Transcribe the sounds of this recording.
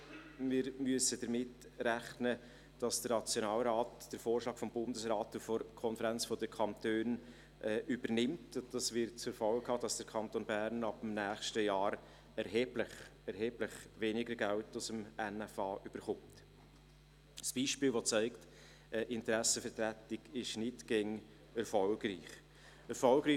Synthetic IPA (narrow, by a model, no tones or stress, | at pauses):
mɪɾmyəsəd̥əɾmɪt | ræχnə | d̥ɑsd̥əɾnɑt͡sjonɑːlɾɑːtd̥əɾfoːrʃlɑːkfɔmbʊndəsɾɑːtufɔkʰɔnfəɾænt͡sfɔdəkʰɑntøːn | ʔɛːybəɾnɪmtʊd̥ɑsvɪɾt̚t͡sʊɾfɑlkhɑːd̥ɑsd̥əkʰɑntoːnbæːɾnɑbəmnæːχʃtəjɑːɾ | ɛɾɦeːb̥ləχɛɾɦeːb̥ləχʋeːnɪɡəɾɡæltʊsəmɛnɛfɑːʔyb̥əɾχʊmt | sb̥iːʃpiːlʋɔt͡sæɪkt | əʔɪntəɾæsəfəɾtɾætɪɡ̥ɪʃnɪtɡ̥eŋ | ɛɾfɔlɡriːχ | ɛɾfɔlɡɾiː